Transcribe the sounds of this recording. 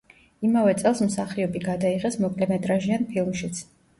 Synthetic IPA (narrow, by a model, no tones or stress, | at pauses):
imavɛt̪sʼɛlˠsm̩saχiɔbiɡad̪aiʁɛsmɔkʼlɛmɛt̪ʼɾaʒianpʰilˠmʃit̪sʰ